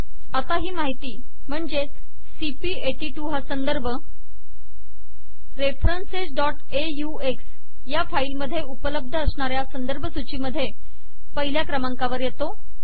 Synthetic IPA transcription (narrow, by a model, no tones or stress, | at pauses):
at̪aɦiːmaɦit̪iː | m̤əɳd͡ʑe | sipieʈiːʈuːɦasənd̪əɾbʱə | ɾefɾənsed͡zɖɔʈ | eju | eks | jafailməd̪ʱjeupələb̚d̪ʱəəsɳaɾjasənd̪əɾbʱəsut͡ɕiːməd̪ʱːje | pəɦiljakɾəmaŋkaʋəɾjet̪o